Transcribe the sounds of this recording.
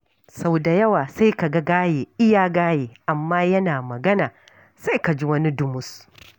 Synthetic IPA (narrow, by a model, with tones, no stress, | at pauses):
sa˦wda˨jɐ˦waː˨sa˦jka˨ɡa˦ɡaː˦jeː˨ʔɪ˦jaː˦ɡaː˦jeː˨ʔa˨mːaː˦jɐ˦naː˨mɐ˨ɡɐ˦naː˨ | sa˦jka˨d͡ʒi˦wɐ˦ni˦dʊ˦mʊ˦s